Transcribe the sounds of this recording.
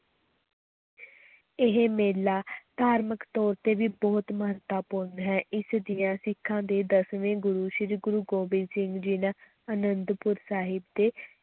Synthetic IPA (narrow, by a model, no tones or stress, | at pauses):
ɪɦemeːlaːd̪̥aːɾməkt̪ɔːɾt̪eːʋiːbɔːt̪məɦət̪ːaːpʊɾnɦɛːʔɪsd̪ɪjãːsɪkʰːãːd̪eːd̪əsʋẽːɡʊɾuːʃɾiɡʊɾuːɡoːbɪlsɪŋɡd͡ʒɪnãː | ənənd̪pʊɾsaːɦɪbd̪eː